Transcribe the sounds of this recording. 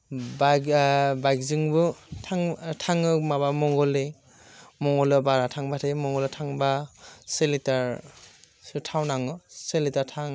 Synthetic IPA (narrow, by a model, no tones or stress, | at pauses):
babajkziŋbɯtʰaŋtʰaŋɯmabamɔŋɡɔle | mɔŋɡɔlɔbaɾatʰaŋbatʰamɔŋɡɔletʰaŋbaselitaɹ | sɯtʰawnaŋɯselitatʰaŋ